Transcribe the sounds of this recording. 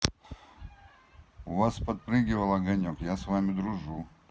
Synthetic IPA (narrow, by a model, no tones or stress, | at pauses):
ʊvaspɐt̪̚pɾɨɡʲɪvəlˠɐɡɐnʲokjasvamʲɪd̪ɾʊʐu